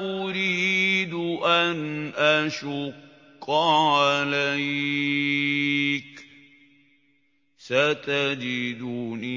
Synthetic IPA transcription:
ʔʊɾiːd̪ʔanʔaʃʊqː | ʕalaj | k | sat̪ad͡ʒid̪uːni

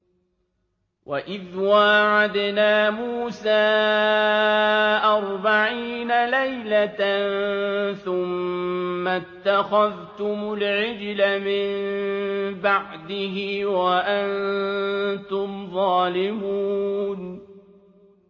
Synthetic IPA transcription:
wʔaʔɪðwaʕad̪naːmuːsaː | ʔɑɾˤbaʕiːnalajlanθʊmː | at̪ːaxaðt̪ʊmʊlʕɪd͡ʒlamɪm | baʕd̪ɪɦɪwaʔan | t̪ʊmðˤɑːlɪmuːn

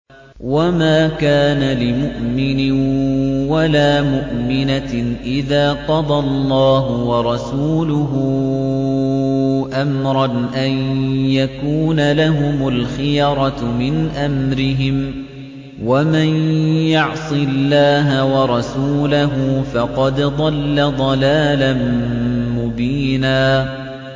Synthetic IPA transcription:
wamaːkaːnalɪmʊʔmɪnɪ | walaːmʊʔmɪnaʔɪðaːqɑd̪ˤɑlˤːɑːɦʊwɑɾˤɑsuːlʊɦʊ | ʔamɾˤɑnʔanjakuːnalaɦʊmʊlxɪjɑɾˤɑmɪnʔamɾɪɦɪm | wamanjɑʕsˤɨlːaːɦawɑɾˤɑsuːlaɦʊfɑqɑd̪d̪ˤɑlːad̪ˤɑlaːlanmʊbiːnaː

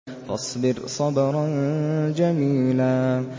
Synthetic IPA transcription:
fɑ̰sˤbɪɾsˤɑbɑɾˤɑnd͡ʒamiːlaː

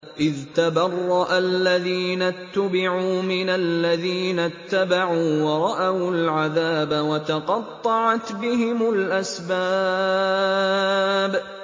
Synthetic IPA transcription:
ʔɪðt̪abɑrˤːɑʔalːaðiːnat̪ːʊbɪʕuːmɪnallːaðiːnat̪ːabaʕuːwɑɾˤɑʔawlʕaðaːbawat̪ɑqɑt̪ˤːɑʕɑt̪bɪɦɪmʊlʔasba | b

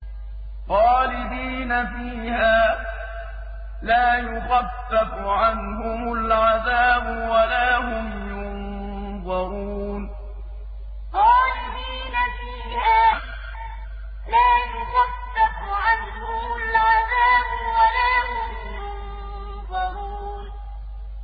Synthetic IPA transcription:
ɣɑːlɪd̪iːnafiːhaː | laːjʊɣaθːafʊʕanhʊmʊlʕaðaːbʊwalaːhʊm | jʊn | ðˤɑɾuːn | t̪ˤɑːlɪɾiːnafiːhaː | laːjʊɣaθːafʊʕanhʊmʊlʕaðaːbʊwalaːhʊmjʊn | ðˤɑɾuː | n

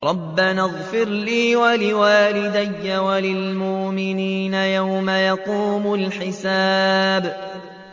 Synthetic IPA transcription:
ɾˤɑbːanaɣˤfɪɾliːwalɪwaːlɪd̪ajːawalɪlmʊʔmɪniːnajawmajɑquːmʊlħɪsaːb

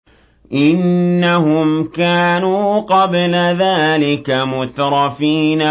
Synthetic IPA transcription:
ʔɪnːahʊmkaːnuːqɑblaðaːlɪkamʊt̪ɾˤɑfiːna

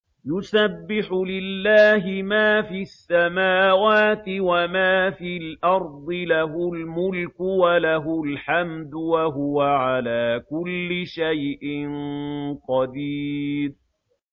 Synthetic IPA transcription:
jʊsabːɪħʊlɪlːaːɦɪmaːfiasːamaːwaːt̪ɪwamaːfiːlʔɑɾˤd̪ˤɨlaɦʊlmʊlkʊwalaɦʊlħamd̪ʊwaɦʊwaʕalaːkʊlːɪʃajʔɪnqɑd̪iːɾ

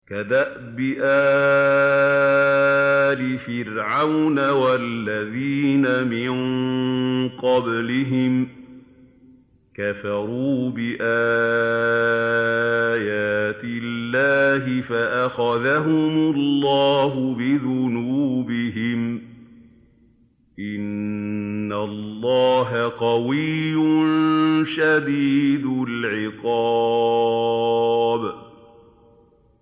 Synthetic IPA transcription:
kad̪aʔ | bɪʔaː | lɪfɪɾʕawnawalːaðiːnamɪn | qɑblɪɦɪm | kafɑɾuːbɪʔaː | jaːt̪ɪlːaːɦɪfaʔaxaðaɦʊmʊlːɑːɦʊbɪðʊnuːbɪɦɪm | ʔɪnː | allːɑːɦaqɑwɪjjːʊnʃad̪iːd̪ʊlʕɪqɑː | b

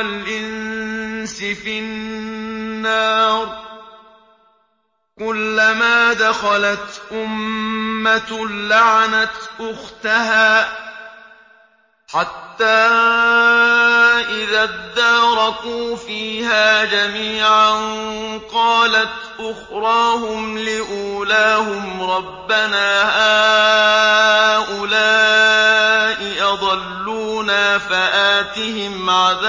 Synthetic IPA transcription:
lʔɪn | sɪfɪ | nːaːɾ | kʊlːamaːd̪axɑlat̪ʔʊmː | alaʕanat̪ʔʊxt̪aɦaː | ħat̪ːaː | ʔɪðaːd̪ɑːɾˤɑkuːfiːhaːd͡ʒamiːʕanqɑːlat̪ | ʔʊxɾˤɑːhʊmlɪʔuːlaːhʊmɾˤɑbːanaːhaː | ʔʊlaː | ʔɪjɑd̪ˤɑlːuːnaːfaʔaːt̪ɪhɪmʕaða

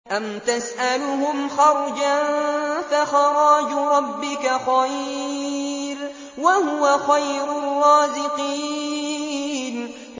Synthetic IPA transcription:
ʔamt̪asʔalʊhʊmxɑɾˤd͡ʒanfaxɑɾˤɑːd͡ʒɾˤɑbːɪkaxaj | ɾ | wahʊwaxajɾʊrˤːɑːzɪqiː | n

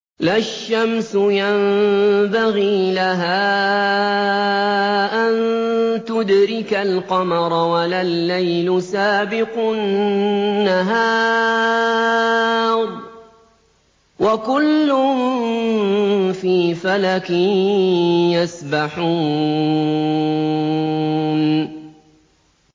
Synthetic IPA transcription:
laʃːamsʊjambaɣiːlaɦaː | ʔant̪ʊd̪ɾɪkalqɑmɑɾˤwalalːajlʊsaːbɪqʊnː | aɦaː | ɾˤ | wakʊlːʊm | fiːfalakɪ | jasbaħuː | n

